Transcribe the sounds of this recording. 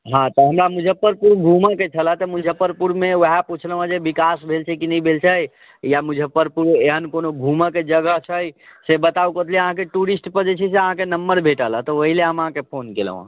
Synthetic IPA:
ɦãt̪ɔɦəmɾamud͡ʒʱəpːəɾpuɾɡʱumaket͡ʃʰələt̪ɔmud͡ʒʱəpːəɾpuɾmeoɦaput͡ʃʰlə̃ə̃d͡ʒebikasbʱelt͡ʃʰɛkinəibʱelt͡ʃʰə | jamud͡ʒʱəpːəɾpuɾeɦənkonoɡʱuməked͡ʒəɡəɦt͡ʃʰəjsebət̪aukət̪ʰliəɦãkeʈuɾisʈpəɾd͡ʒet͡ʃʰɛs̬eəɦãkenəmbəɾbʱeʈələt̪ɔoɦileɦəmɦãkepʰonkelə̰̃ə̰̃

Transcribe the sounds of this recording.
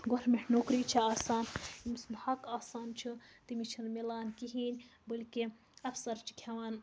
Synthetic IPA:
ɡoɾmiʈnoːkɾiːt͡ʃʰiaːsaːnimɨsnhɐkaːsaːnt͡ʃʰɨt̪imit͡ʃʰɐnmilaːnkiɦiːnʲbɨlkʲi | ɐfsɐɾt͡ʃʰi̥kʲʰɐʋaːn

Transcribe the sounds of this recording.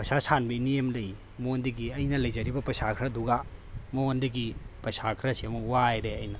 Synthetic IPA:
pɐsasanbɐiniemlɐj | mondɐɡiɐjnɐlɐjzɐɾibɐpɐsakʰɾɐduɡamondɐɡipɐsakʰɾɐsiɐmuwajɾeɐjnɐ

